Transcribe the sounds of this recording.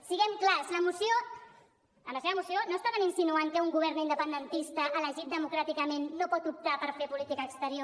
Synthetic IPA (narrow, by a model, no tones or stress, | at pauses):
siɣɛmklasləmusijo | əmləseβəmusjonost̪aβaninsinuaŋkəuŋɡuβ̞ɛɾnind̪əpənd̪ənt̪ist̪əʔːləʒit̪̚d̪əmukɾat̪ikəmenːopɔt̪up̚t̪apəɾfepulit̪ikəːkst̪əɾio